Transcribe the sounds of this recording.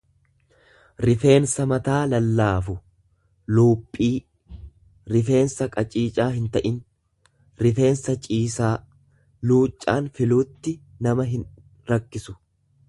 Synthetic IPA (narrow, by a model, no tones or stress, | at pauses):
ɾɪfe̞ːnsɐmɐt̪aːlɐlːaːfʊ | luːpʼːiː | ɾɪfe̞ːnsɐkʼɐt͡ʃʼiːt͡ʃʼaːɦɪnt̪ɐʔɪn | ɾɪfe̞ːnsɐt͡ʃʼiːsaː | luːt͡ʃʼːaːnfɪluːt̪ːɪ | nɐmɐɦɪn | ɾɐkːɪsʊ̥